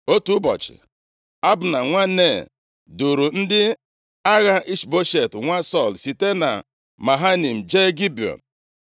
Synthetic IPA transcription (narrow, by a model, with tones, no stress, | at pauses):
o˦tu˦bɔ̰˨t͡ʃɪ̰˨ | a˦bʊ˨na˨ŋʷa˦ne˦˨ | du˨ɾu˨n̩˦dɪ˦ | a˦ɣa˦ʔi˦ʃbo˦ʃe˨tŋʷa˦sɔ˦˨lsi˨te˦na̰˨ | ma˨ɦa˦ni˨m̩˨d͡ʒe˦ɡi˦bi˨ɔ̰˨n̩